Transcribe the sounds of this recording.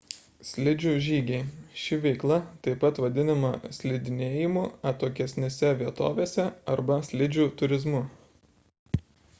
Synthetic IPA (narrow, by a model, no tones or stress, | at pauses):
sʲlʲɪd͡ʒʲuːʒʲiːɡʲɛɪʃʲɪʋʲɛɪklˠɐt̪ɐɪpɐt̪ʋɐd̪ʲɪnɐmɐ̰sʲlʲɪd̪ʲɪnʲeːjɪmuːɐt̪oːk̬ʲɛsʲnʲeːsʲɛʋʲiɛt̪o̰ːʋʲeːsʲɛɐɾbɐsʲlʲɪd͡ʒʲuːt̪ʊɾʲɪzmʊ